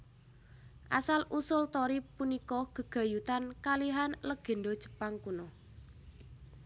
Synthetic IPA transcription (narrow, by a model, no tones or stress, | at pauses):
ʔa̰salʔusʊlt̪ɔɾipunikɔɡ̥ə̤ɡ̥a̤jut̪ankaliɦanləɡ̥e̤nɖod̥ʒ̥ə̤̥paŋkunɔ